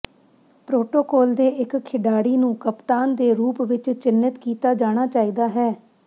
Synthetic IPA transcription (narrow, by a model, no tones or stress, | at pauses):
pɾoːʈoːkɔːld̪eːʔɪkkʰɪɖaːɽiːnũːkəpt̪aːnd̪eːɾuːpʋɪt͡ʃt͡ʃɪnːɪt̪kiːt̪aːd͡ʒaːɽ̃aːt͡ʃaːiːd̪aːɦɛː